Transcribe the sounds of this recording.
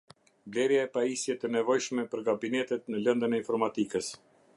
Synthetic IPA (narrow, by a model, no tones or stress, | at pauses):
blɛɾjaɛpaisjɛt̪ənɛvɔjʃmɛpəɾɡabinɛt̪ɛt̪nəlɛnd̪ənɛinfɔɾmat̪ikəs